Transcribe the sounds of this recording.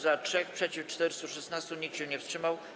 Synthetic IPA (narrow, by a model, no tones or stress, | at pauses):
zatʂɛxpʂɛt͡ɕift͡ʂt̪ɛɾst̪uʂɛsnast̪uɲik̚tɕɛ̃ɲɛfstʂɘmaw